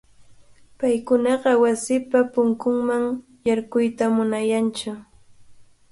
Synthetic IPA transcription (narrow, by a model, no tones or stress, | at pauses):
pajkʊnɑɢɑwasɪpapʊŋkʊŋmaŋ | jaɾkʊjt̪amʊnajant͡ʃʊ